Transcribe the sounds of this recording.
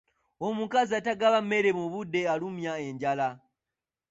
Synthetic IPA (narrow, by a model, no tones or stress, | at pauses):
omukazataɡaβame̞ɾemuβude̞alumjae̞ɲɟala